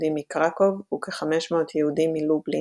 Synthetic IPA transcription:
d̪imːikʁako̞vukeχameʃmoot̪ʰjeud̪imːilubli

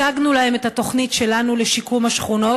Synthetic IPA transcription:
aɡnulahe̞met̪hat̪o̞χnitʃe̞lanuleʃikumhaʃχuno̞

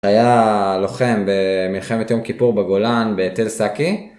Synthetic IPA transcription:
ajalo̞χe̞mbe̞milχe̞met̪jo̞mkipuʁbeɡolanbet̪elsaki

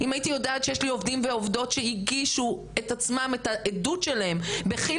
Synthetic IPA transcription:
imajit̪ijo̞daat̪ʃejeʃlio̞vdimveo̞vd̪o̞tʃehiɡiʃu | e̞tat͡smame̞taʔedutʃe̞lahe̞mbeχi

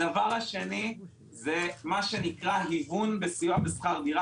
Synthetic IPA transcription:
avaʁaʃe̞ni | ze̞maʃe̞nikʁaɦivunbesijabesχaʁdiʁa

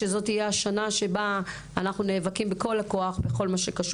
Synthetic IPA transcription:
ezo̞tijeaʃanaʃe̞baː | naχnuneːvakimbeko̞lako̞aχbeχo̞lmaʃekaʃ

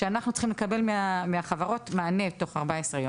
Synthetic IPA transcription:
ʃeanaχnutt͡si̥χimlekabe̞lmeameaχavaʁo̞tmaːnetːo̞χaʁbaesʁejom

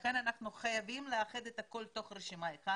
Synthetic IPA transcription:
kananaχnuχajavimleaχed̪et̪ako̞lt̪o̞χɾeʃimaeχa

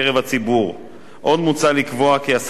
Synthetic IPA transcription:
ʁevat͡sibuʁ | ʔo̞d̪mut͡salikvo̞akias

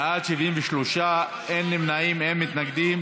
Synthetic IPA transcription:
ʔad̪ʃiviɱveʃloʃa | ʔenːimnaimhemːit̪naɡd̪im

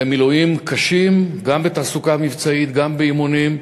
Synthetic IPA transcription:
emilujimkʰaʃimɡambet̪aːsukamivt͡sait̪ɡambeimunim

